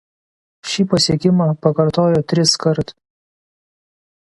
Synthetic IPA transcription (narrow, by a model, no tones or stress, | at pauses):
ʃʲiːpɐsʲiɛkʲɪmɑːpɐkɐɾt̪oːjoːt̪ʲɾʲɪskɐɾt̪